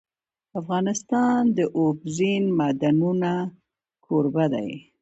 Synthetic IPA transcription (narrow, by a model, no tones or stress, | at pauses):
afɣɑnɪst̪ɑnd̪əʔobzinmad̪anuna | kʰoɾbad̪a̰j